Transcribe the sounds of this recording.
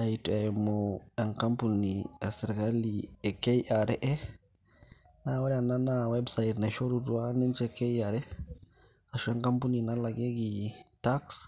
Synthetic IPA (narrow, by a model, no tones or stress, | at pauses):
ajtuajmɔɛŋkampuniɛsɛɾkaliɛkejaɾɛʔɛ | nawɾiananawɛbsajdnaʃoɾuduwanint͡ʃɛkɛjaɾɛ | aʃuɛŋkampuninalaɡeɡitaks